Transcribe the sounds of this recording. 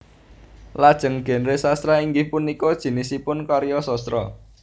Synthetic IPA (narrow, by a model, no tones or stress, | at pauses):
lad̥ʒ̥ə̤ŋɡ̥e̤nɾesast̪ɾaiŋɡɪhpunikɔd̥ʒ̥i̤nɪsipʊnkɔɾjɔsɔst̪ɾɔ̰